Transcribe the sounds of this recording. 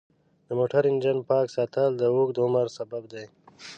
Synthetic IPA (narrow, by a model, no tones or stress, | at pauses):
d̪əmoːʈaɾɪnd͡ʒanpɑːksaːt̪ald̪əuːk̚d̪əʊməɾsɐbabd̪aj